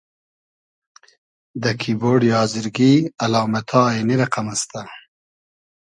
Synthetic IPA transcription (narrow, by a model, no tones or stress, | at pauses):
d̪əkʰiboɖjɑːzɪɾɡialɑːmat̪ʰɑːeniɾaqamast̪a